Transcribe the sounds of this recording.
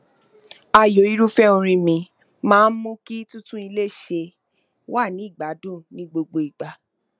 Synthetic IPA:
a˧˨jo˨˦i˦ɾu˦fɛ˦õ˧ɾ̃ĩ˧mĩ˨˦ | mãː˦˧˦n̩˦mũ˦ki˦tũ˦tũ˦i˧le˦ʃe˧ | wa˦˨nĩ˨˦i˦˨ɡ͡ba˨˦dũ˦˨nĩ˦ɡ͡bo˧ɡ͡bo˧i˨ɡ͡ba˨

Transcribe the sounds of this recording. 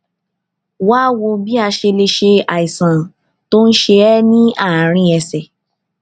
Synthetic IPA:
waː˦wo˧bi˦a˧ʃe˧le˧ʃe˧a˨i˨sã˨ | to˦n̩˦ʃe˧ɛ˦nĩ˦a˦˨ɾ̃ĩ˧ɛ˧sɛ˨

